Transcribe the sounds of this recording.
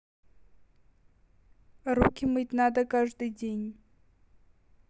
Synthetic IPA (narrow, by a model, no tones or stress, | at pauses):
ɾukʲɪmɨtʲnad̪əkaʐd̪ɨjdʲenʲ